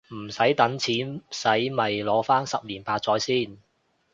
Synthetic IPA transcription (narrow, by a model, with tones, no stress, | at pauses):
m̩˨˩sɐ˨˥jt̪ɐ˨˥nt͡sʰiː˨˥nsɐ˨˥jmɐ˨jlɔː˨˥faː˥nsɐ˨p̚liː˨˩npaː˧t̚t͡sɔː˨˥jsiː˥n